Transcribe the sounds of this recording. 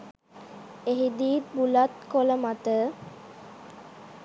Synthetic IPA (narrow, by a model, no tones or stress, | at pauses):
eɦid̪iːt̪̚bulat̪koləmat̪ə